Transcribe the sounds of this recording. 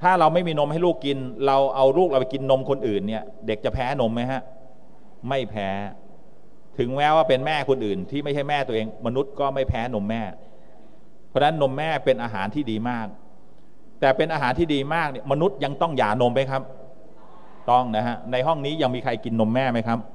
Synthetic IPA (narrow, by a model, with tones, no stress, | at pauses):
t̪ʰaː˥˩ɾa˧wma˥˩jmiː˧no˧mha˥˩jluː˥˩kːi˧nɾa˧wʔa˧wɾuː˥˩k̚a˧pa˨˩ki˧nːo˧mkʰo˧nʔɯː˨˩nːi˥˩ɐ | de˨˩k̚t͡ɕa˨˩pʰɛː˦˥no˧mːa˦˥jɦa˦˥ʔ | ma˥˩jpʰɛː˦˥ | t̪ʰɯ˩˦ŋmɛː˦˥waː˥˩pe˧nmɛː˥˩kʰo˧nʔɯː˨˩nt̪ʰiː˥˩ma˥˩jt͡ɕʰa˥˩jmɛː˥˩t̪u˧ɐʔeː˧ŋma˧nu˦˥t̪̚kɔː˥˩ma˥˩jpʰɛː˦˥no˧mːɛː˥˩ | pʰɔ˦˥na˦˥nːo˧mːɛː˥˩pe˧nʔaː˧ɦaː˩˦nt̪ʰiː˥˩diː˧maː˥˩k̚ | t̪ɛː˨˩pe˧nʔaː˧ɦaː˩˦nt̪ʰiː˥˩diː˧maː˥˩k̚ni˥˩ma˧nu˦˥t̪̚ja˧ŋt̪ɔ˥˩ŋjaː˨˩no˧mːa˦˥jkʰa˦˥p̚ | t̪ɔ˥˩ŋna˦˥ɦa˦˥na˧jɦɔ˥˩ŋniː˦˥ja˧ŋmiː˧kʰa˧jki˧nːo˧mːɛː˥˩ma˦˥jkʰa˦˥p̚